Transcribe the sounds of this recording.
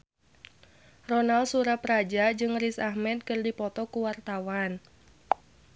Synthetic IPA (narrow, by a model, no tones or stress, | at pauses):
rɔnalsuɾaprad͡ʒad͡ʒɨŋrisahmɛt̪̚kɨrdipɔt̪ɔkuwart̪awan